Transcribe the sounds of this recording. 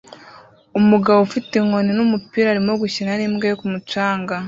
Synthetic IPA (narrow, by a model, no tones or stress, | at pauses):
omuɡaβofiteŋoninomupiːɾaːɾimoɡucinaniːmɡejokumutaːŋɡa